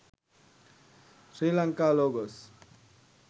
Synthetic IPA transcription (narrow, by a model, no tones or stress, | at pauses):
sɾilaŋkaloɡos